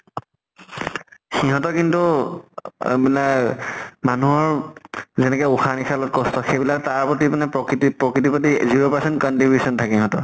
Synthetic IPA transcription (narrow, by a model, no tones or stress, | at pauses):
xiɦɔtɔkintṵ | bilakmanuɦɔɹzɛnɛkɛuxanixʰalɔt̚kɔstɔxejbilak̚taɹpɹɔtipanɛpɹɔkɹitipɹɔkɹit̬ipɹɔtiziɹopasɛntkɔntibjusɔntʰakiɦɔ̃tɔɹ